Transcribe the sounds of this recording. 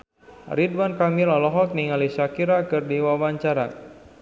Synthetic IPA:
ɾidwankamilɔlɔɦɔt̪̚niŋalisakiɾakɨrdiwawaɲt͡ʃaɾa̰

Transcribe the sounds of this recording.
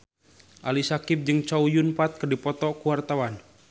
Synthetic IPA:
ʔalisakip̚d͡ʒɨŋt͡ʃaujunpat̪̚kərdipɔt̪ɔkuwart̪awan

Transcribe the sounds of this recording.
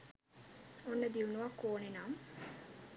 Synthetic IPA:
onːəd̪iunuʋakːoːnenaːm

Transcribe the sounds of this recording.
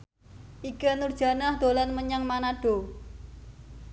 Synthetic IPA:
ʔikənurd̥ʒ̥ä̤nahd̪̥o̤lanməɲaŋmanaɖ̥o̤

